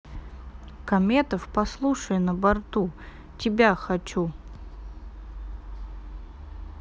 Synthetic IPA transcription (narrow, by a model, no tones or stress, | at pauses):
kɐmʲet̪əfpɐslˠuʂəjnəbart̪u | tʲɪbʲaxɐt͡ɕu